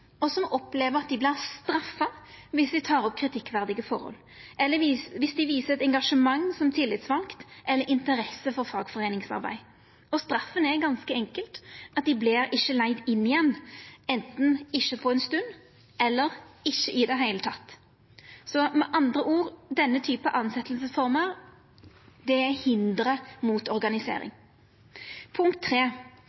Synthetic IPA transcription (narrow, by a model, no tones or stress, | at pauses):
ɔsɔmɔpleːʋəʁɑt̪̚d̪ɪblɪʁst̪ɾɑfːɑʋɪsd̪ɪt̪ʰɑːɾɔp̚ːkʰɾɪt̪ʰɪkːʋæʁd̪ɪɡəfɔ̰ɾhɔ̰lː | ʔɛlːəʋʋɪsd̪ɪʋiːsəɛt̪ɛŋɡɑʂəmɑŋːsɔmt̪ʰɪlːɪt̪sʋɑlkt̪ʔɛlːəɾɪnt̪əɾɛsəfɔɾfɑːɡfɔʁeːnɪŋsɑ̰ɾbæ̰ɪ | ɔst̪ɾɑfːənɛɡɑnskəɛŋkəlt̪ɑt̪̚d̪ɪblɪɾɪʃːəlæɪd̪ɪnːɪjɛnːɛnt̪n̩ɪʃːəpʰɔɛnst̪ʉnd̪ | ɛlːəʁɪʃːəʔɪd̪ɛɦæɪlət̪ʰɑt̪ː | sɔmɛʔɑnd̪ʁəʔuːʁd̪ɛnːət̪ʰyːpɑʔɑnsɛt̪ʰlsəsfɔʁməʁ | d̪ɛæhɪnd̪ɾəmuːt̪ɔʁɡɑnɪsḛːɾɪ̰ŋ | pʰʊŋkt̪ʰːʁeː